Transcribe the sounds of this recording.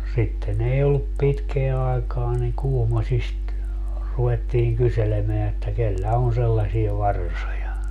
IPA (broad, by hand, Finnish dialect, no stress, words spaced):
sitːen ei olːup pitkeæ ɑekɑː niŋ kuhmosʲist ruwetːiːŋ kyselemeæ etːæ kelːæ on selːɑsie ʋɑrsojɑ